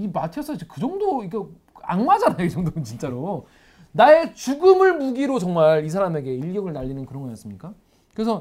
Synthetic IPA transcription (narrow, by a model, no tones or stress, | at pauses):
imatʰjʌs͈ʰʌt͡ɕekɯd͡ʑʌŋdoike | a̰ŋmad͡ʑanajoid͡ʑʌŋdonɯnt͡ɕint͡ɕ͈aɾo | nae̞t͡ɕuɡɯmɯɭmuɡiɾot͡ɕʌŋmaɭis̬ʰaɾame̞ɡe̞iɭɡjʌɡɯɭnaʎːinɯnkɯɾʌnɡʌjʌs͈ɯmɲik͈a | kɯɾe̞s̬ʰʌ